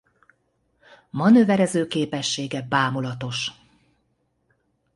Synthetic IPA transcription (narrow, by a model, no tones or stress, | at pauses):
mɒnøvɛɾɛzøːkeːpɛʃːeːɡɛbaːmulɒt̪o̞ʃ